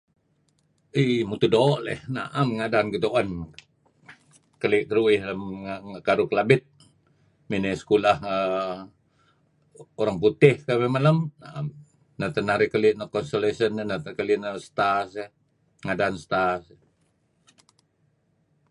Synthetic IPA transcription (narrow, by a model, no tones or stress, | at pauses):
imut̪udoːʔlɛ̰hna̰ʔamŋadaːnkət̪uʔən | kəlɪʔkəɾuɪhləmkaɾuklabɪt̪̚ | minesə̥kulahə | oɾaŋput̪ɪhkamemaləmnaʔam | nət̪ənahɾikəlɪʔnəkɔnsolesənːənəkəliʔnəsə̥t̪ase | ŋadaːnsə̥t̪as